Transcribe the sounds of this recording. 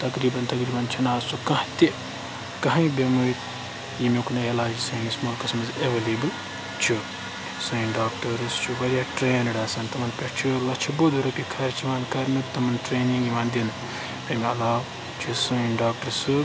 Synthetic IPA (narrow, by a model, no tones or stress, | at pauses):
t̪ɐkɾiːbɐnt̪ɐkɾiːbɐnt͡ʃʰɐnaːzsukɐ̃ht̪e | kɐɦɐ̃bemɨ | jimekunɐelaːd͡ʒisɐ̃ĩsmoːlkɐsmɐzeʋɐliːbɨl | t͡ʃʰu | sɨĩɖaːk̚ʈɐɾɨst͡ʃʰuʋɐɾijaʈɾeːnɐɽaːsɐnt̪ɐmɐnpʲɐt͡ʃʰilɐt͡ʃʰibod̪uɾɐpʲikʰɐɾt͡ʃʰiʋaːnkɐɾnɨkt̪ɐmɐnʈɾeːnĩŋɡiʋaːnd̪in | ɐmiɐlaːw | t͡ʃʰisɐinɖaːk̚ʈɐɾsɨ